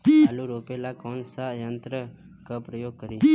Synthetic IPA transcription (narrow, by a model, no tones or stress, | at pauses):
luɾopelakɔnsajənt̪ɾə | kəpɾəjoɡ̚kəɾi